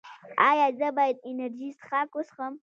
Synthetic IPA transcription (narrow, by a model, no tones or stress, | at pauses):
ajad͡zabajtʼenerd͡ʒistχakʷʼʊsχəm